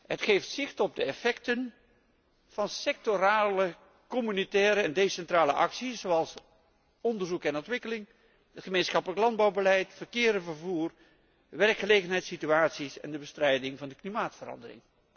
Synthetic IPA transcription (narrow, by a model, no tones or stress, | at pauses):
ɦətχejftsɪχtɔb̚dəɛfɛktən | v̥ɑnsɛk̚toɾaːlə | kɔmynitɛːɾəɛndejsɛntraːləʔɑ̰ksizowɑlˠs | ɔndəɹzukɛnɔntʋɪkəlɪŋ | ɦətχəmejnsχɑpələklɑnd̚bɑwbəlɛjtfərkɪːɾəvərvuːr | ʋɛrkχəlejɣənɦɛjtsityaːtsisɛ̰ndəbəstrɛjdɪŋvɑndəklimaːtfərɑ̰ndərɪ̰ŋ